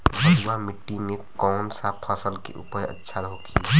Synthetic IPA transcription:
bʱəuwamɪʈːimekɔːnsapʰəsəlkḛʔṵpəjə̰tːʃʰaɾəɦokʰi

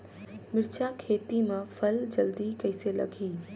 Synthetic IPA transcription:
mɪɾt͡ʃakʰeːt̪imãfʰɐld͡ʒɐld̪ikɐɪselɐ̰ɡʱiː

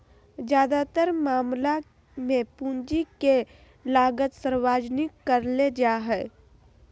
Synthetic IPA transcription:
d͡ʒjaːd̪at̪əɾmaːmla | mẽpũːnd͡ʒike | laːɡət̪səɾwaːd͡ʒnɪkːəɾled͡ʒaːɦɛː

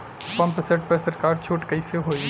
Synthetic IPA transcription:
pə̃mpseʈ̚pəɾsəɾkaːɾt͡ʃʰoːʈkəɪseɦoːi

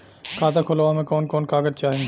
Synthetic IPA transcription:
kʰaːt̪akʰolʋãmẽkɔːnkɔːnkaːɡəɾt͡ʃaːɦẽ

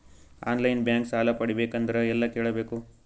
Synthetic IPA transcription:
a̰ːnlɐjnbjaːŋksaːlɐpɐɽibeːkɐnd̪ɐɾeɛlːɐkeːɭɐbe̞ːku

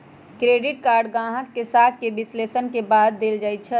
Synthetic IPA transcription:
kɾeːɖɪʈ̚kaːɾɖɡãːɦəkːesaːkːebɪsleːsənkebaːd̪̚ːeːld͡ʒaːit̪̚t͡ʃʰɛ

